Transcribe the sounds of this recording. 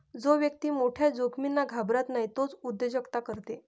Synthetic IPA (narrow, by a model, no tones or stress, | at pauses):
d͡zoʋjək̚t̪iːmoʈʰjad͡zokʰminːaɡʱabɾat̪naɦit̪ot͡sud̪ːed͡ʑəkt̪akəɾt̪e